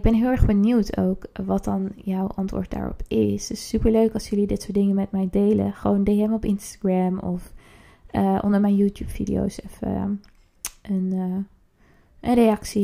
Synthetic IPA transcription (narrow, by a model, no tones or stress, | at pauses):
ɪɡ̚bɛnɦɪːlˠɛɹχbəniwtʰo̰wkʋɑt̚dɑnjɔwʔɑntʋʊ̰ːɹt̚da̰ːɹɔ̰pɪstɪsːypəɹløɥkɑlsjɵlidɪtsʊːɹt̚dɪŋəmɛt̚mɛjdejlə̰χəʋowndejɛmɔpɪnstaɡɹamɔf | əʔɔ̰ndəɹmɛjnjuːtjuːpfḭdḭjo̰wsɛfə̰ | ən | ʔənrejɑksi